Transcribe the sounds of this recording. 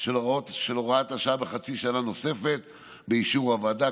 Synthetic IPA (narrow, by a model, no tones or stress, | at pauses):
ʃelʁaotʃeloʁaataʃaabeχat͡siʃanano̞se̞fe̞t̪ | beiʃuʁavada